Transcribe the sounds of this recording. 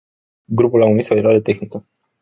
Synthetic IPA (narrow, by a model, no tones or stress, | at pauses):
ɡɾupulaumiso̞e̞ɾoaɾe̞t̪e̞xnikə